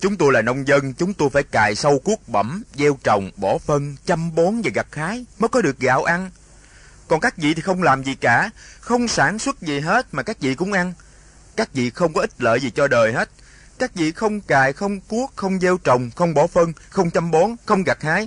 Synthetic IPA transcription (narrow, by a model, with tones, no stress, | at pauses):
t͡ɕʊ˨˦ŋ͡mt̪o˧jlaː˨˩nə˧wŋ͡mzə˧nt͡ɕʊ˨˦ŋ͡mt̪o˧jfaː˧˩jkaː˨˩jsə˧wku˦˥ək̚ɓə˧˩mze˧wt͡ɕə˨˩wŋ͡mɓɔ˧˩˦fə˧nt͡ɕa˧mɓo˨˦nva˨˩ɣa˨˩t̚haː˨˦jməː˨˦jkɔ˨˦ɗɨ˨˩ək̚ɣa̰ː˧˩wʔa˧n | kɔ˨˩nkaː˦˥k̚vḭ˧˨t̪ʰi˨˩xə˧wŋ͡mlaː˨˩mzi˨˩˨kaː˧˩xə˧wŋ͡msaː˧˩nswə˦˥t̚zi˨˩ɦe˦˥t̚maː˨˩kaː˦˥k̚vḭ˧˨kʊ̰˧˥ŋ͡mʔa˧n | kaː˦˥k̚vḭ˧˨xə˧wŋ͡mkɔ˨˦ʔi˦˥t̟̚lə̰ː˧˨jzi˨˩t͡ɕɔ˧ɗəː˨˩jɦe˦˥t̚ | kaː˦˥k̚vḭ˧˨xə˧wŋ͡mkaː˨˩jxə˧wŋ͡mku˦˥ək̚xə˧wŋ͡mze˧wt͡ɕə˨˩wŋ͡mxə˧wŋ͡mɓɔ˧˩fə˧nxə˧wŋ͡mt͡ɕa˧mɓɔ˨˦nxə˧wŋ͡mɣa˨˩k̚haː˨˦j